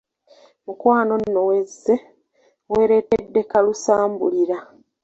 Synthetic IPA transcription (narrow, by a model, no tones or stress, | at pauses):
mukwaːno̞nːowe̞zːe̞ | we̞ːɾe̞tedːe̞kalusaːmbuliɾa